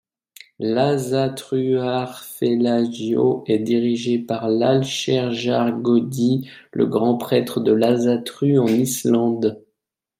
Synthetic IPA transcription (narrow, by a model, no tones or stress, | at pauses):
lazat̪χyaʁfelaʒjo̰ɛd̪iʁiʒepaʁlalʃɛʁʒaʁɡɔd̪ilə̰ɡʁɑ̃pχɛt̪χəd̪əlazat̪χyɑ̃nislɑ̃d̪